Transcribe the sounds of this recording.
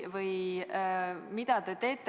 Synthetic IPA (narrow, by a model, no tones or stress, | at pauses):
vɯj | mid̪̥ɑt̪et̪e̞ːt̪ːˑ